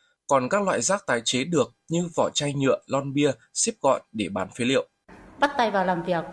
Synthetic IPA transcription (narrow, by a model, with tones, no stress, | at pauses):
kɔ˨˩nkaː˦˥k̚lwa̰ː˧˨jzaː˦˥k̚t̪aː˨˦jt͡ɕe˨˦ɗɨ˨˩ək̚ɲɨ˧vɔ˧˩t͡ɕa˧jɲɨ̰˧˨əlɔ˧nɓi˧ə | si˦˥p̚ɣɔ̰˧˨jɗe˧˩ɓaː˨˦nfi˨˦lḭ˧˨ə˨w | ɓa˦˥t̚t̪a˧jvaː˨˩wlaː˨˩mvi˨˩ək̚